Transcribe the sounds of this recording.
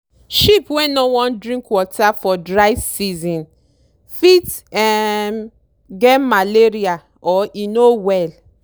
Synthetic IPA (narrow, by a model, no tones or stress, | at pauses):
ʃipwɛ̃nɔwɔ̃ndɹĩŋkwɔtʰafɔdɹaɪvsizɔ̃n | fit | ɛm | ɡɛmaleɹia | ɔinowɛl